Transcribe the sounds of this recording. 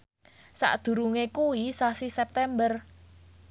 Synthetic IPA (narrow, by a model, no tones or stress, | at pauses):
sa̰ʔd̪̥ṳɾuŋekuwisasisɛp̚t̪ɛmbər